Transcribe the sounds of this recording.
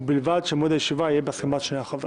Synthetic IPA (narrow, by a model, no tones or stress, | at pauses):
bilvad̪ʃemod̪ajeʃivaijebeaskemat̪ʃneaχave